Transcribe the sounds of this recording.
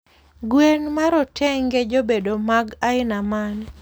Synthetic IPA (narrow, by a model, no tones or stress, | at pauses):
ɡwenmaɾɔtʰɛŋɡed͡ʒobedomaɡaɪnaman